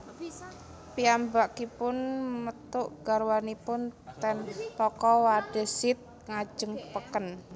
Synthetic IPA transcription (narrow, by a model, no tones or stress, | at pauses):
piambakipʊnmət̪ʊʔɡ̥aɾwanipʊnt̪ɛnpɔkɔwaɖ̥ə̤sɪt̪̚ | ŋḁd͡ʒ̥əŋpəkən